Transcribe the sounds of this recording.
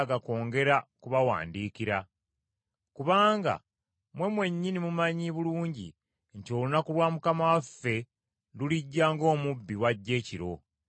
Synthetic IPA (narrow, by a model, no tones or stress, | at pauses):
ɡako̞ːŋɡe̞ɾakuβawa̰ːndiːkiɾa | kuβaːŋɡa̰ | mwe̞mwe̞ɲːinimumaɲiβuluːɲɟḭ | nto̞lunakulwaːmukamawafːe̞ | nduliɟːaːŋɡo̞ːmubːiwaɟːe̞ːciɾo̞̰